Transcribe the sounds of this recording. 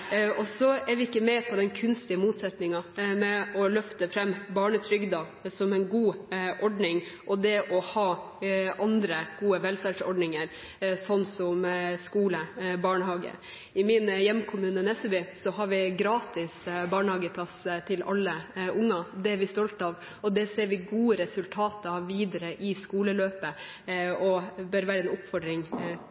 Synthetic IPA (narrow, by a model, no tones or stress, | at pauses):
ɔsɔæɾʋɪɪkːəmɛpʰɔd̪ɛnkʰʉnst̪ɪəmuːt̪sɛt̪nɪŋɑmɛɔlœft̪əfɾɛmːbɑːɳət̪ʰɾʏɡd̪ɑ | sɔmɛnɡuːʔɔɖɳɪŋʔɔd̪ɛʔɔhɑː | ʔɑnd̪ɾəɡ̥uːəʋɛlfæɖsɔ̰ɖɳɪŋəɾ | sɔnːsɔmskuːləbɑːɳəhɑːɡə̰ | ɪmɪnjɛmːkʰʊmʉːnənɛsəbʏsɔhɑɾʋɪɡɾɑːt̪ɪsbɑːɳəhɑːɡəpʰlɑst̪ʰɪlɑ̰lːəʔʊŋːɑd̪ɛʋɪst̪ɔlt̪ɑːʋ | ɔd̪ɛseːɾʋɪɡuːəɾɛsʉlt̪ʰɑːt̪ɑʋiːd̪əɾəʔɪskuːləløːpə | ɔbœɾʋæːɾəɛnʊpfɔɖɾɪŋ